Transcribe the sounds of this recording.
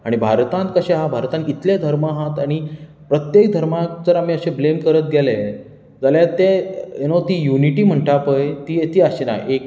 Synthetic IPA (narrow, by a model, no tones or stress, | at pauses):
aɽ̃ibʱaɾt̪ãnt̪̚kəɕẽɦabʱaɾt̪ãnit̪ljad̪ʱəɾmaɦãt̪aɽ̃i | pɾət̪jek̚d̪ʱəɾmãd͡zəɾam̤iːəɕeblemkəɾət̪̚ɡele | d͡zaljat̪eenot̪iːjuniʈiːm̤əɳʈapəjt̪iːt̪iːaɕena̰jek